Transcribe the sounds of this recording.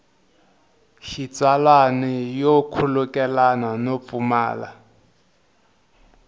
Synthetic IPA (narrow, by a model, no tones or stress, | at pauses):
ʃit͡salwanɛjokʰulukɛlananop̪fuma̰ːla̰